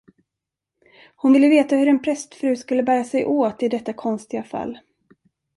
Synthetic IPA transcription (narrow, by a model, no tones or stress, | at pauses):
hʊnvɪlːəveːt̪ahɵɾɛnpʰɾɛst̪fɾʉ̟ːskɵlːəbæːɾasɛjʔoːt̪ɪd̪ɛt̪ːakʰɔnst̪ɪɡafa̰lː